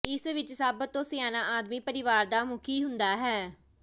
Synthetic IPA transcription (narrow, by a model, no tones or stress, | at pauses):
ɪsʋɪt͡ʃsəbt̪õːsɪjaːnãːʔaːd̪miːpəɾɪʋaːɾd̪aːmʊkʰiːɦʊnd̪aːɦɛː